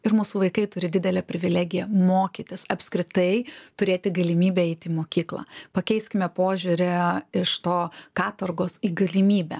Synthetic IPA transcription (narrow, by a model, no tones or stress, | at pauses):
ɪɾmusʊʋɐɪkɐɪt̪ʊɾʲɪd̪ʲɪd̪ʲɛlʲɛpʲɾʲɪʋʲɪlʲæːɡʲɪjɛmoːkʲit̪ʲɪsɐpʲsʲkɾʲɪt̪ɐɪt̪ʊɾʲeːt̪ʲɪɡɐlʲɪmʲiːbʲɛɛɪt̪ʲɪiːmoːkʲiːklˠɑ̰ːpɐkʲɛɪsʲkʲɪmʲɛpoːʒʲuɾʲɛɪʃt̪oːkɑːt̪ɐrɡoːsiːɡɐlʲɪmʲiːbʲɛ̰